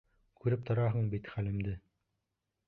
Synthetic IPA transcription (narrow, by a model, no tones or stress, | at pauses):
kʉɾɘp̚t̪ʰŏɾɑɦɤɴbit̪χælɘ̆md̪ɘ